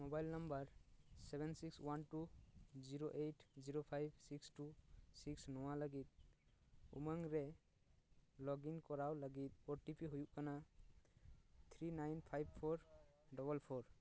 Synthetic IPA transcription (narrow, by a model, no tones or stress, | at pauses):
mɔbajlnambaɾsebʱɛnsikswantuziɾoʔetʰziɾopʰajb̚sikstusiksnɔwalaɡit̪̚ | ṵmaŋɾɛ | lɔɡinkɔɾawlaɡit̪̚ɔʈipiɦujuʔkana | t̪ʰɾinajnpʰajb̚pʰɔɾ | dɔbɔlpʰɔɾ